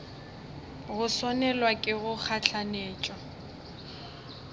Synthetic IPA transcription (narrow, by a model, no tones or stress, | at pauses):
ɣʊsɔnɛlwakʼɪɣʊk͡xʰaɬʰaneːt͡ʃʼɔ